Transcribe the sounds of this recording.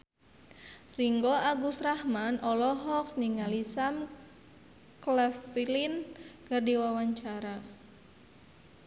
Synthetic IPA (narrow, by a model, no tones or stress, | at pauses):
riŋɡɔaɡusrahmanʔɔlɔɦɔk̚niŋalisam | klɛfilinɡɨrdiwawaɲt͡ʃaɾa